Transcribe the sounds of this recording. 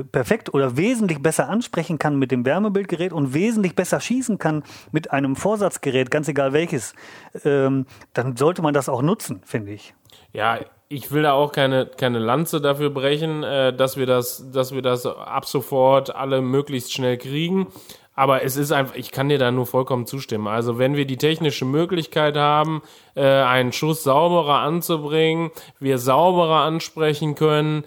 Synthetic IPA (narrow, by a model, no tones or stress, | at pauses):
pɛɐfɛk̚tʔoːdɐveːzn̩tlɪçb̥ɛsɐʔanʃpʁ̥ɛçn̩kʰanmɪt̚d̥eːmvɛɐməbɪlt̚ɡ̥əʁɛːtʊntv̥eːzn̩tlɪçb̥ɛsɐʃiːsn̩kʰanmɪtʔaɪnəmfoːɐzat͡sɡ̥əʁɛːt̚ɡ̥ant͡seɡaːlvɛlçəsʔɛːmd̥anzɔltəmandasaʊxnʊt͡sn̩fɪndəɪç | ja̰ː | ʔɪçv̥ɪldaːaʊxkʰaɪnəkʰaɪnəlant͡sədafyːɐbʁɛçn̩ɛːdasv̥iːɐdasd̥asv̥iːɐdasʔa̰pz̥ofɔɐtʔa̰ləmøːklɪçstʃnɛlkʁ̥iːɡŋ̩ | ʔaːbɐɛs̬ɪstʔaɪnfɪçkʰandiːɐdaːnuːɐfɔlkʰɔmənt͡suːʃtɪmənʔa̰lzovɛnviːɐdiːtʰɛçnɪʃəmøːklɪçkʰaɪthaːbm̩ | ʔɛːʔaɪnənʃʊsz̥aʊbəʁɐʔant͡subʁɪŋənviːɐzaʊbəʁɐʔanʃpʁ̥ɛçn̩kʰœnən